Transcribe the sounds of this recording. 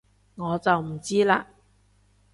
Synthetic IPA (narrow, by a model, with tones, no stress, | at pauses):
ŋɔː˨˧t͡sɐ˨wm̩˨˩t͡siː˥laː˧